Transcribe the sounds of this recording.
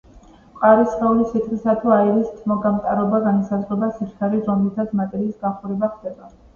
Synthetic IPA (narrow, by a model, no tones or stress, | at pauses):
qʼaɾisχɛulisʰit̪χisat̪ʰuaɛɾist̪ʰmɔɡamt̪ʼaɾɔbaɡanisazʁɛbasiɾt̪ʰaɾiɾɔmlit̪ʰat̪sʰmat̪ʼɛɾiːsɡaχuɾɛbaχd̪ɛba